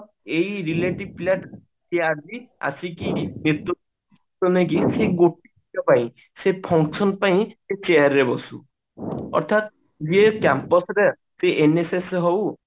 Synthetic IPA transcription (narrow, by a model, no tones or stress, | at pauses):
eiɾileʈibplaʈ | sead͡ʒia̰sikinet̪ɾɔ | s | tɔnekiseɡoʈ̚i | ɔpaĩ | sepʰɔŋksʰɔnpaĩset͡ʃejaɾːebɔsṵ | ɔ̰ɾt̪ʰat̪̚ | d͡ʒiekjampɔsɾe | seʔenesesɦow